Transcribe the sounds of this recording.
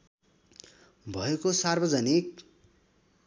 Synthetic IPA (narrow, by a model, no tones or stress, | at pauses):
bʱʌekosarbʌd͡zʌnik̚